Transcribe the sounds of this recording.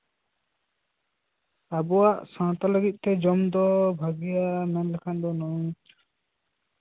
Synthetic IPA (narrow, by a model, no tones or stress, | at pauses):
abɔwaʔsãt̪aləɡit̪̚ˀt̪ɛd͡ʒɔmd̪ɔbʱaɡijamɛnlɛkʰand̪ɔnɔjt̪